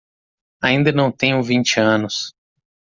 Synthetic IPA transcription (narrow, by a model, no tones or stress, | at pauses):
aĩnd̪ɐnɐ̃w̃t̪ẽɲʊ̃vĩnt͡ʃɪɐ̃nʊs